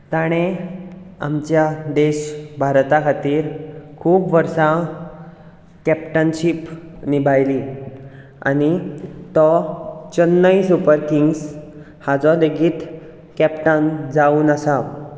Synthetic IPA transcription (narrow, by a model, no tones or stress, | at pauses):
t̪aɽ̃e | a̰mt͡ɕjad̪eɕbʱaɾt̪akʰat̪iːɾkʰuːpʋəɾsã | kɛpʈənɕipnibʱajli | a̰ñit̪ɔt͡ɕənːəisupəɾkiŋɡs | had͡zɔd̪eɡiːt̪ | kɛpʈand͡zauːnəsa